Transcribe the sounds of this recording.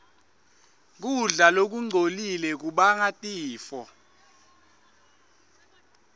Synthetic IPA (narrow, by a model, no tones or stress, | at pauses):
k̬uɮalok̬uŋ͡ǀʱolilɛk̬uɓaŋatʼiːfɔ